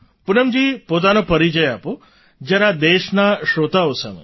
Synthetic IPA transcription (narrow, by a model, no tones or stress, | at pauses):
pʊnəmd͡ʒipot̪̬anõpəɾid͡ʒəjapo | d͡ʒəɾad̪eʃnaʃot̪aosə̰mḛ